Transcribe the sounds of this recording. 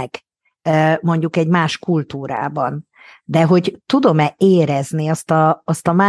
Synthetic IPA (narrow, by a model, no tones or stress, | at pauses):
ɛk | ømo̞ɲɟukɛɟmaːʃkult̪uːɾa̰ːbɒn | d̪ɛɦo̞ɟt̪ud̪o̞mɛeːɾɛzniɒst̪ɒːst̪ɒmaː